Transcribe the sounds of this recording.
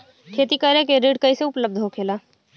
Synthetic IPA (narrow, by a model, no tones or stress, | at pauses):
kʰeːt̪ikəɾekeɾiːɖkɐiseʊpləb̚d̪ʱɦokʰeːlaː